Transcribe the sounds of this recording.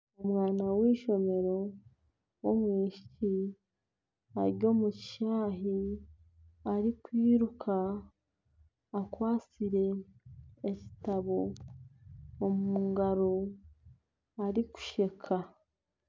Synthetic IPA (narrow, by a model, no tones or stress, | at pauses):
omwaːnawiːʃo̞me̞ɾo̞ | womwiːʃi̥ci | a̰ɾjo̞ːmucʃaːɦi | aɾikwiːɾukʰa | kwaːt͡siɾe̞ː | ci̥taβo | muːŋɡaɾo | aɾiku̥ʃe̞kʰa